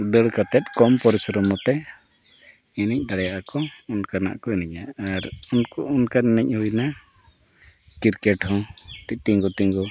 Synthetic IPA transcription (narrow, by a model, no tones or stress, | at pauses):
ɖəɽkat̪ɛt̪̚kɔmpɔɾɛsɔɾɔmɔt̪ɛ | inic̚ˀd̪aɽɛjaʔakɔunkana̰ʔkɔinɛɲaaɾunkɔunkaɾnɛc̚hujna | kiɾkɛʈhɔʈit̪iŋɡɔt̪iŋɡɔ